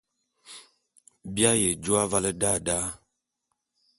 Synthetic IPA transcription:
bja˦je˨d͡ʒu˦a˦va˦lə˦da˦˨da˦

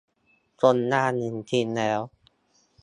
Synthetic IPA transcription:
to˧nːaː˥˩nɯ˨˩nt̪ʰi˧nlɛː˦˥w

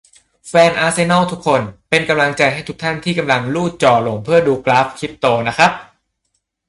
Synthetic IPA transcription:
fɛː˧nʔaː˦˥se˧na˥˩wt̪ʰu˦˥kʰːo˧npe˧nka˧mla˧ŋt͡ɕa˧jɦa˥˩jt̪ʰu˦˥k̚t̪ʰa˥˩nt̪ʰiː˥˩ka˧mla˧ŋluː˥˩t͡ɕɔː˨˩lo˩˦ŋpʰɯ˥˩ɐduː˧klaː˦˥fkʰi˦˥p̚t̪oː˧na˦˥kʰa˦˥p̚

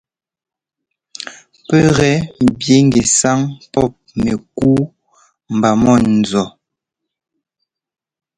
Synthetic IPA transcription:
pɛ˦ɣɛ˦m˨bje˨˦ŋɡe˨sa˦ŋpɔ˦˨p̚me˨kuː˦ | m̩˨ba˨mɔ˦˨n˨zɔ˨

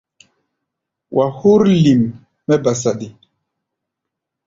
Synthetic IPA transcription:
wʔa˨hu˦ɾli˨mː | ɛ˦ba˨s̬a˨di˨

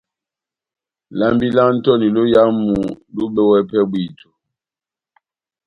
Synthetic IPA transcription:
la˦mbi˦la˦n̩˦tɔ˦ni˨lo˦ja˦mu˨lu˦ɓɛ˦wɛ˦pɛ˦bwi˦˨to̥˨

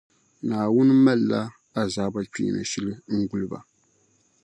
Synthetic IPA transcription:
naː˨wʊ˦nɨ˦ma˦lːa˦ | a˨zaː˨˦ba˦k͡pḭː˨nɨ̰˨ʃi˦lɨ˦ŋ̩˦ɡʊ˦lɨ˦ba̰˨

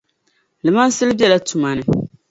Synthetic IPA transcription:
lɨ˨ma˦n˦sɨ˦lɨ˦bɛ˦la˦tu˨ma˨nɨ˨

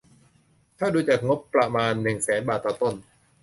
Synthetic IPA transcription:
t̪ʰaː˥˩duː˧t͡ɕaː˨˩k̚ŋo˦˥pːɾa˧maː˧nːɯ˨˩ŋsɛː˩˦nbaː˨˩t̪ːɔː˨˩t̪o˥˩n

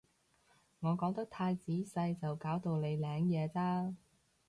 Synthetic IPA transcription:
ŋɔː˨˧kɔː˨˥ŋt̪ɐ˥k̚t̪ʰaː˧jt͡siː˨˥sɐ˧jt͡sɐ˨wkaː˨˥wt̪o˧wne˨˧jlɛː˨˧ŋjɛː˨˧t͡saː˥

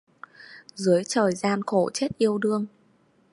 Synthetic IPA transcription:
zɨ˨˦əjt͡ɕəː˨˩jzaː˧nxo̰˧˩t͡ɕe˦˥t̚ʔi˧əwɗɨ˧əŋ

